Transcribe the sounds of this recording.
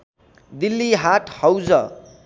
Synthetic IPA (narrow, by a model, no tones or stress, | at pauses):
d̪ilːiɦaʈʰhʌwd͡zʌ